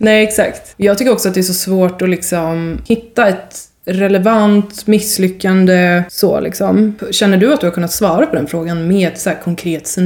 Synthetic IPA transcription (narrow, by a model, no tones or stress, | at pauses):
nɛɪɛksa̰kt̪ɔjɑːɡt̪ʰʏkːəɾɔksɔat̪̚d̪ɛæʂsɔsvoːʈɔlɪksɔmhɪt̪ːaɛt̪ | ɾɛlɛvant̪mɪsːlʏkːand̪əso̰ːlʔɪ̰ksɔ̰mɕɛnːəɖɵat̪̚d̪ɵhaɾkʰɵnːat̪svɑːɾapʰɔd̪ɛnfɾoːɡanmeːɛt̪sæːɾkʰɔŋkʰɾeːt̪sɛ